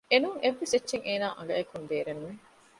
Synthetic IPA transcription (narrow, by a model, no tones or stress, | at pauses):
enuŋeʋːeset͡ʃːʃeŋeːnaːʔɐ̰ŋɡɐekund̪eːɾenːuʋe